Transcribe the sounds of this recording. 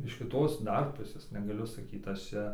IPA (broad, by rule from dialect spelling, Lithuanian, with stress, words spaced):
ɪʃ kʲɪˈtoːs ˈdɐr ˈpʊsʲeːs nʲɛɡɐˈlʲʊ sɐˈkʲiːt ɐʃ ˈt͡ʃʲɛ